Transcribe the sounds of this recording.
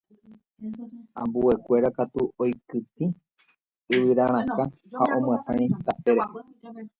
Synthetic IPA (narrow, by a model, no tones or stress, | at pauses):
ãmbue̞kʷe̞ɾakat̪uojkɨt̪i | ɨwɨɾaɾ̃ãka | haʔõ̞mw̃ãsã̰ĩt̪apeɾe